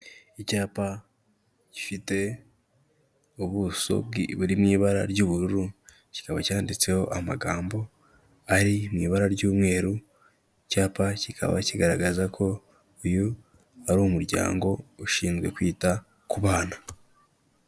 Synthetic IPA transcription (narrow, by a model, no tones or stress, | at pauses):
icaːpa | cifite̞ | oβuso̞̰iβuɾimŋiːβaɾa̰ɾɟuːβuɾuɾu | ci̥kaβacaːndit͡se̞ho̞ʔamaɡaːmbo̞ | aɾimŋiːβaɾaɾɟuːmŋe̞ːɾu | icaːpacikʰa̰βa̰ciɡaɾaɡazakʰo̞ | ujo | aɾumuɾɟa̰ːŋɡo̞uʃiːnzɡwe̞̰kwiːta | kuβaːna